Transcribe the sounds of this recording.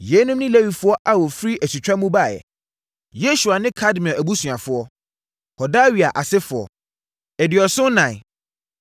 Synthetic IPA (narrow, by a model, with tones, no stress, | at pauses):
jɛ˨˦nʊ̃˦m˦nɪ̃˦le˦wi˨fʊ˦ɔ˦ʔa˨wɔ˨fɾi˦ʔæ˨si˨t͡ɕᶣɾa˦mũ˦ba˦˨jɛ̰˨ | je˦su˨a˨nɪ̃˦kʰa˦dmĩ˨ɔ˨ʔæ˨bu˦sũ˨ã˨fʊ˦ɔ˦ | hɔ˨da˦ɥi˨a˨ʔa˨sɛ˦fʊ˨ɔ̰˨ | ɛ˨dɪ˨ɔ˨sʊ̃˦nã˨